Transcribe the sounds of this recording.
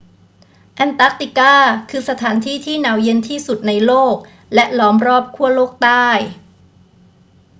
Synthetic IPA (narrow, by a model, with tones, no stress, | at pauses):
ʔɛ˧nt̪aː˦˥k̚t̪i˨˩kaː˥˩kʰɯː˧sa˧t̪ʰaː˩˦nt̪ʰiː˥˩t̪ʰiː˥˩naː˩˦wje˧nt̪ʰiː˥˩su˨˩t̪̚na˧jloː˥˩k̚ | lɛ˦˥ʔlɔː˦˥mɾɔː˥˩p̚kʰu˥˩ɐəloː˥˩k̚t̪aː˥˩j